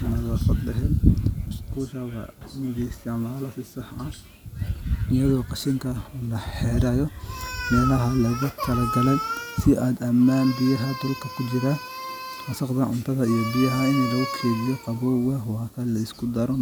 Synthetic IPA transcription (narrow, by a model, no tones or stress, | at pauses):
nɐɣɐsɐd̪ɛɦɛl | kʰuʃɐwɐ̰nɪɣɛst̪ɛʕmaːlɐsɪsɐħɐ | ɪjɐɣɔːqɑʃɪŋkʰɐlɐħɛːɾɛjɔmɛːlɐɦɐlɐɣɐt̪ʰɐlɐɡɐlɛjsɪʔaːd̪ɐmnaːnbɪjɐɦɐd̪ɐlkʰɐkʰʊt͡ʃɪɾɐ | wɐsɑqd̪ɐʕʊnt̪ʰɐðɐijɔbijɐɦɐɪnlɐɣʊkʰɛːβɪjɔqɑβɔːɣɐwɑːkʰɐlɐɪskʰʊd̪ɐɾɔ